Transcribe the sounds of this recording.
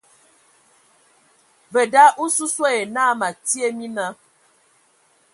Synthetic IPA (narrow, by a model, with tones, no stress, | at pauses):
və˨da˦ʔu˦su˦se˦e˨na˦ma˨ti˦e˦mi˦na˦